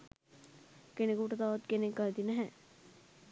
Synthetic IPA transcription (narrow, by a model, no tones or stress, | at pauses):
kenekuːʈəd̪aːʋat̪̚kenekɡɐld̪inæɦɛ